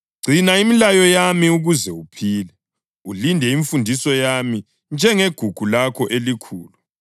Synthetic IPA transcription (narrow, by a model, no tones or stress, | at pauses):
ɡ͡ǀʱinaimilajɔjamiuɣuzɛupʰiːlɛ | ulindʱɛiɱfundʱisɔjami | nd͡ʒʱɛŋeɡ̥ʱuɡ̥ʱulakʰɔʔelikʰṵːlu